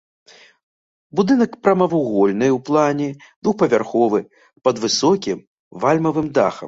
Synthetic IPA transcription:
bud̪ɨnɐkpɾɐmɐvuɣɔlʲnɨwplˠanʲɛd̪vuxpɐvʲarxɔvɨ | pɐd̪vɨsɔkʲim | valʲmɐvɨmd̪a̰xɐ̰m

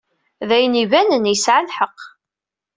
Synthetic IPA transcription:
ðæjnivænənjəsʕalħəqː

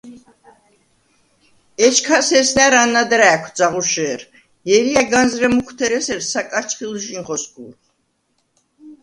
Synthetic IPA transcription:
ɛt͡ʃʰkʰasɛsnæɾanːad̪ɾæːkʷʰd̪zaʁuʃɛːɾ | jɛɾijaɡanzɾɛmukʰt̪ʰɛɾɛsɛɾsakʼat͡ʃʰχilʒinʁɔskʰʼṵl

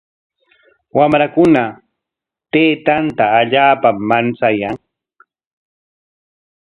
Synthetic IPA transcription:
wamɾakʊna | t̪eːt̪ant̪aːʎaːpamːant͡sajaŋ

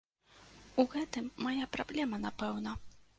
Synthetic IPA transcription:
uɣɛt̪ɨmːajapɾablʲɛmɐnapɛwnɐ

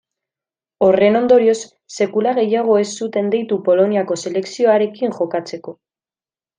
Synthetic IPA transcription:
o̞re̞no̞nd̪o̞ɾio̞sː | e̞kulaɣ̞e̞jaɣ̞o̞e̞sːut̪e̞nd̪ijt̪upo̞lo̞niako̞se̞le̞ksio̞aɾe̞kiŋʝo̞kat͡se̞ko̞

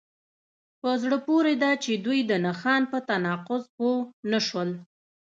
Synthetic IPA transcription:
pəzɽəpoɾed̪ɑt͡ʃed̪wujd̪ənaxɑnpət̪anɑqʊzponaʃwəl

